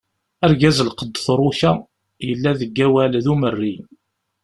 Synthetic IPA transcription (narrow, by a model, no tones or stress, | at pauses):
æɾɡæzlqəd̪ːθɾˤʊçæ | jəlːæðəɡːæwælðumərːi